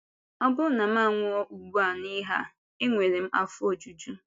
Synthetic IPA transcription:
ɔ˦bʊ˦na˨m̩˦a˦˨ŋʷʊ˦ɔ˦ʔu˨ɡ͡bu˦a˨ni˦ɦa̰˦ | ɪ˦ŋʷe˨ɾe˨m̩˦ʔa̰˦fʊ˦o˨d͡ʒu˨d͡ʒu˦

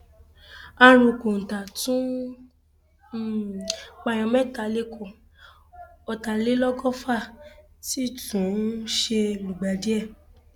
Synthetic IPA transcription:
a˧ɾ̃ũ˨ko˨n̩˨ta˨tũ˦˨ | k͡pa˧j̃ɔ̃˧mɛ˦˨ta˧le˧kʰɔ˨ | ɔ˨ta˨le˦lɔ˦ɡɔ˦fa˦˨ | si˦˨tũ˨˦ʃe˧mũ˨ɡ͡ba˨di˨˦ɛ˦˨

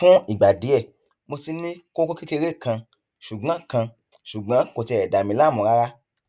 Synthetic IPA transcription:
fũ˦i˨ɡ͡ba˨di˨˦ɛ˦˨ | mo˧si˧nĩ˦ko˦ko˦ki˦ke˧ɾe˦˨kã˧ | ʃu˨ɡ͡bã˨˦kã˧ | ʃu˨ɡ͡bã˨˦ko˨˧ti˧ɛ˨da˨mĩ˧˦la˦˨mũ˨ɾa˦ɾa˦

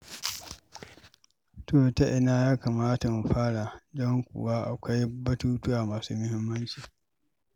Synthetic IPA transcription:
toː˦˨ta˦ʔɪ˨naː˦jaː˦ka˨maː˦ta˨m˨ɸaː˦ɽa˨dɔ˦ŋkʷʊ̰˨waː˦ʔa˨kʷa˦jbɐ˦tuː˦tʊ˦wa˨maː˨suː˦mʊ˦hɪ˦mːɐ˦nt͡ʃiː˨

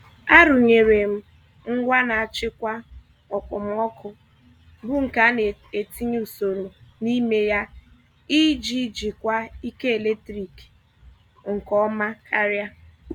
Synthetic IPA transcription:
a˦ɾʊ˨ɲe˨ɾe˨m̩˦ | ŋ̩˦ɡʷa˦na˨a˨t͡ʃɪ˦kʷa˦ | ɔ˨kʊ˨m̩˦ɔ˦kʊ˦ | bʊ˦ŋ̩˨ka˨˦ne˨e˨ti˦ɲ˦u˨so˨ɾo˨ni˦me˦ja˦ | i˦d͡ʒi˦d͡ʒi˨kʷa˦i˦ke˦e˨le˦tɾi˨k | ŋ̩˨kɔ˦ma˦ha˦ɾja˦

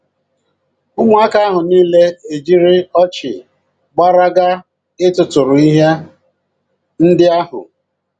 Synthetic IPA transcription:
ʊ˦ŋʷ˦a˦ka˦a˦ɦʊ˨niː˦le˦e˨d͡ʒi˦ɾɪ˦ɔ˦t͡ʃɪ̰˨ | ɡ͡ba˦ɾa˦ɡa˦ | ɪ˦tʊ˨tʊ˨ɾʊ˨i˦ɦe˦ | n̩˦dɪ˦a˦hʊ̰˨

